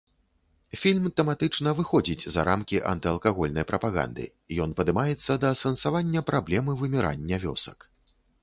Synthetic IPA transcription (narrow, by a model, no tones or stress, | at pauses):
fʲilʲmt̪ɛmat̪ɨt͡ʂnɐvɨxɔd͡zʲit͡sʲzɐ̰ɾʔamkʲiʔɐ̰nt̪ɨɐlˠkaɣɔlʲnɐjpɾɐpaɣa̰nd̪ɨ̰ | jɔnpɐd̪ɨmajɛt̪sːɐd̪ɐsɐnsavanʲːɐpɾʔablʲɛmɨvɨmʲiɾʔa̰nʲːɐvʲɔ̰sɐk